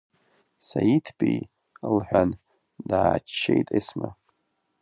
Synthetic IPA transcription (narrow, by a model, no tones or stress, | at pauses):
sajitʰbʰʼij | lħʷᶣan | daːt͡ʃt͡ʃːejtʼesma